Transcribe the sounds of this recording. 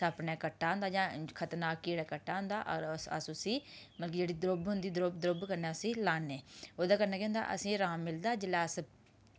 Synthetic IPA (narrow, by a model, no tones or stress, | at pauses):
səpneːkəʈːaːɦʊ̃nd̪aːd͡ʒãːkʰət̪naːkiːɽɛːkəʈːaːɦʊnd̪aːʔɾə̰sũːsiː | məlk̬ɪd͡ʒeːɽiːd̪ɾobɦʊnd̪iːd̪ɾobd̪ɾobkəɾneːəsĩːlaːneːoːd̪aːkəɾnãːkɛ̃ːnd̪a̰ːʔə̰sĩːɾaːmːɪld̪aːd͡ʒəlaːs